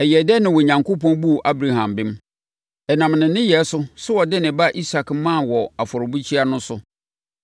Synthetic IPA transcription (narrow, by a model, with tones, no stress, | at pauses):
ɛ˨jɛ˨dɛ˦nɪ̃˨wɔ˨ɲã˨ŋkʰo˦pɔ̃˦nbu˦˨ʔa˦bɾa˨ɦã˨mbɪ̃˦m | ɛ˨nã˨mnɪ̃˨nɪ̃˦jɛ˨˦sʊ˦sʊ˦wɔ˨dɛ˦nɪ̃˨ba˦ʔi˦sa˨kmã˦˨wɔ˨a˨fɔ˨ɾʊ˨bu˦t͡ɕʰi˦a˦nʊ̃˦sʊ˨